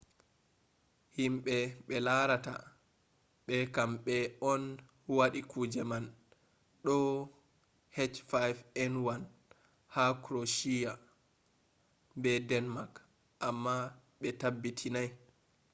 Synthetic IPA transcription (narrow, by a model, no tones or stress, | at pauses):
himɓɛɓɛlaɾata̰ | ɓɛkamɓɛɔn | waɗikʰud͡ʒɛman | ɗɔ | hɛt͡ʃfajvɛnwan | hakɾoʃija | bɛdɛnmak | ʔamːa | ɓɛtabːitʰinaj